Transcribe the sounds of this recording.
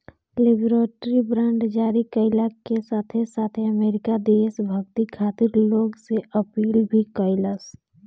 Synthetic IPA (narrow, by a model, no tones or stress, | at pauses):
lɪbɾeːʈɾibɾãːɳɖd͡ʒaːɾikəɪlakesaːt̪ʰesaːt̪ʰeəmeːɾɪkad̪eːsbʱəɡt̪ikʰaːt̪ɪɾloːɡseʔəpiːlbʱikəɪləs